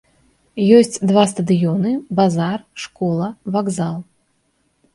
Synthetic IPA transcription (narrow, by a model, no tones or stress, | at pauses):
jɔsʲt͡sʲd̪vast̪ɐd̪ɨjɔnɨbazarʂkɔlˠɐvaɡzalˠ